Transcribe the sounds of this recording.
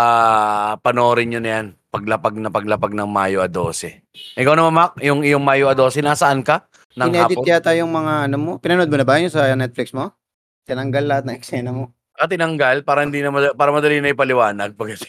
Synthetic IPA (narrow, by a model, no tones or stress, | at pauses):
ʔaːpɐnoɾɪɲɲonɐjanpɐɡlɐpaɡ̚nɐpɐɡlɐpaɡ̚nɐŋmaːjoʔɐd̪o̰ːsɛ | ʔɪkɐwnɐmanmak̚jʊŋɪjoŋmaːjoɐd̪o̞ːsɛnaːsɐʔankɐ | nɐŋnɛad̪ɪt̪ɪjat̪aːjoŋmɐŋaʔɐnomopɪnɐnod̪̚monɐbaːjɐɲːosɐnɛt̪̚flɪksmo | t̪ɪnɐŋɡalːɐhat̪̚nɐŋʔɛksɛnɐmo | ʔɐt̪ɪnɐŋɡalpaːɾɐhɪnd̪iːnɐmɐpaːɾɐmɐd̪ɐlinɐjʊpɐlɪwaːnɐɡ̚pɐɡɐsɛ̥